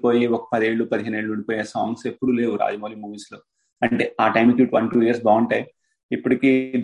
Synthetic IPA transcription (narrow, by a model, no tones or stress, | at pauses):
poːjiɔkɐ̥pɐd̪eːɭːupɐd̪iɦeːneːɭːuuɳɖipoːjesa̰ːŋɡse̞pːuɽule̞ːwuɾa̰ːd͡ʒɐmoːliːmuːʋiːsloː | ɐɳʈeaːʈɐjmikjiːʈʋɐnʈuːiɐɾs̬baːɳʈɐj | ipːuɽikiːd̪